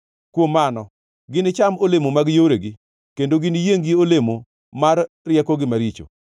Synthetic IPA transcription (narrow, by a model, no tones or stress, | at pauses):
kwomːanɔ | ɡɪnɪt͡ʃamolemomaɡjoɾeɡɪ | kendoɡɪnɪjeŋɡiolemo | maɾː | jɛkɔɡɪmaɾit͡ʃo̰